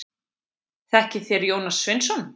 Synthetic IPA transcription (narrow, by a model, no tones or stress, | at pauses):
θɛhcɪθɛɾjoːwnasːvɪnsɔn